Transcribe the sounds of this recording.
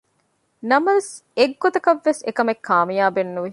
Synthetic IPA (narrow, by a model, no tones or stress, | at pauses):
nɐmɐʋes | eɡːot̪ɐkɐʋːesekɐmekʰːaːmijaːbenːuʋi